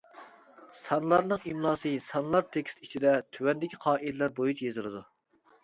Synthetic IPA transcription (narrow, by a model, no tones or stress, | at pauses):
sɑnlˠɑɾnɨŋimlˠɑːsɨsɑnlˠɑɾt̪ʰekʲst̪it͡ʃʰid̪ɛt̪ʰywɛnd̪ɪkʲʰiqʰɑːʔilɛlæɾbojut͡ʃjezɨlˠɨd̪u